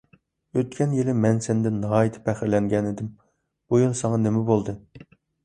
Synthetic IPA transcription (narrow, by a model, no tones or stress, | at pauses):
øt̪kʲɛnjelɪmɛnsɛnd̪ɛnːɑɑːjit̪ʰɪ̥pʰɛχɪɾlɛŋɡʲɛnɪd̪ɪm | bujulˠsɑŋɑnemɛbolˠd̪ɨ